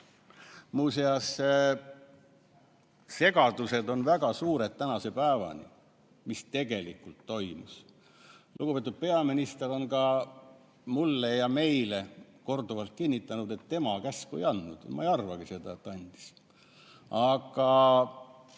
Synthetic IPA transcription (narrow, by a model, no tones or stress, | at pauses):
muːseɑse | se̞ɡ̥ɑd̪̥use̞d̪o̞nvæɡ̥ɑsuːɾe̞t̪̚t̪ːænɑse̞pæevɑ̰nʲḭ | mist̪e̞ɡ̥e̞likːult̪ːo̞jmus | lʔuɡ̥upet̪ud̪̥̚pe̞ɑminist̪e̞ɾo̞nkɑ | mulːejɑme̞jle̞ | ko̞rd̪uvɑlt̪̚kinʲːit̪ːˑɑnud̪et̪ːe̞mɑkæskuḛjɑnːud̪̥mɑ̰ejɑrvɑɡ̥ise̞d̪̥ɑet̪ːɑnʲd̪̥i̥s | ɑɡ̥ɑ